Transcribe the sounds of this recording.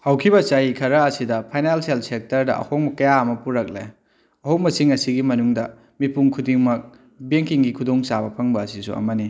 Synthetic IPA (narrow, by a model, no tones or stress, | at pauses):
hawkʰibɐt͡ʃajikʰɐɾɐɐsidɐpʰajnalselsek̚tɐɾdɐʔɐ̰hoŋmɐkɐjaɐmɐpuɾɐk̚lḛj | ɐɦoŋ̚mɐsiŋɐsiɡimɐnuŋdɐ | mipuŋkʰudiŋmɐk̚ | beŋkiŋɡikʰudoŋsabɐpʰɐŋbɐːsisṵɐ̰mɐni